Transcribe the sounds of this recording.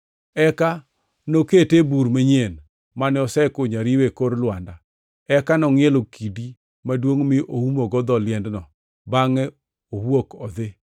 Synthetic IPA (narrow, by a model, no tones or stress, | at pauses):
ɛka | noketebuɾmeɲen | manɛɔsɛkoɲaɾiwekoɾlwanda | ɛkanɔŋɪɛlokʰidi | madwoŋmɪʔohumoɡɔd̪ɔlɪɛndnɔ | baŋɛ | ohwokɔd̪ɪ